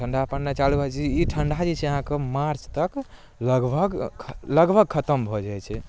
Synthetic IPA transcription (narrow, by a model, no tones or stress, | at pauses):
ʈʰəɳɖʱapənːet͡ʃalubʱət͡ʃʰiiʈʰəɳɖʱad͡ʒɛt͡ʃʰɛəɦãkemaɾt͡ʃt̪ək | ləɡbʱəɡʰləɡbʱəɡ̚kʰət̪əmbʱɔd͡ʒajt͡ʃʰɛ